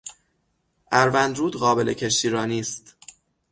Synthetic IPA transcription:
ʔæɾvænd̪ɾuːd̪ɣɒːbe̞lʔecʰe̞ʃ̬iːɾɒːniːst̪

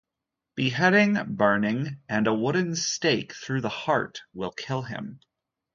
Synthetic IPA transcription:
b̥iɦɛɾɪ̃ŋbɜ̃˞nɪ̃ŋʔɨ̃nəwʊdⁿn̩steɪkθɹʉðəhɑɹt̚wɪ̰lˠkʰɪlˠɪ̰̃m

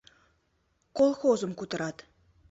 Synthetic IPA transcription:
kolˠxozə̆mkut̪ə̆ɾɑt̪

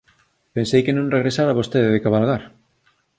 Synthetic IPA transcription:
pensejkenõŋreɣɾesaɾaβost̪eðeðekaβalɣaɾ

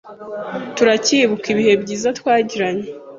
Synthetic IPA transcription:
tuɾaciβukiβihe̞bɟiːzatwaːɟiɾaɲe

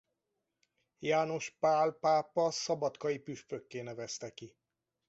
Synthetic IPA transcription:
jaːno̞ʃpaːlpaːpːɒsɒbɒt̪kɒjipyʃføkːeːnɛvɛst̪ɛki

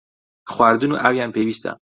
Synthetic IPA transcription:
xoæɾd̪unuʔævjæmpʰebiːst̪ʰæ̰m

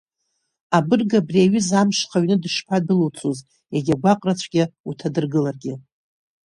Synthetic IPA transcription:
abɨrɡabriaɥɪzamʂχaɥnɨdɨʂpʰadɨlot͡sʼʰoz | jaɡʲaɡʷaqʼrat͡ɕʷʰɡʲɪutʰadɨrɡɨlarɡʲɪ

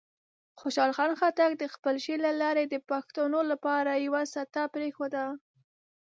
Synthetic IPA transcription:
xoʃɑlxɑnxat̪aɡd̪əxpəlʃelalɑɾed̪əpaxt̪onolapɑɾajawasat̪apɾexod̪a

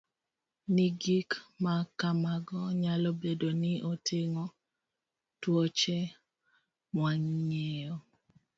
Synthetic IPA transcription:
niɡikmakamaɡɔɲalɔbedonɪʔotʰeŋɔ | twɔt͡ʃɛ | mwaŋɲejɔ

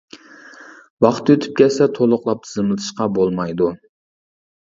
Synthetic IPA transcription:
wɑχt̪øt̪ʰy̥p̚kʲʰɛsɛt̪ʰolˠʊqlˠɑp̪̚zɨmlˠɨt̪ʰɨ̥ʃqɑbolˠmɑjd̪u

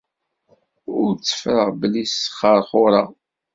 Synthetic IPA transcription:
ʊɾt͡sːə̥fɾəʁbəlːisχəɾˤχʊɾˤɑ

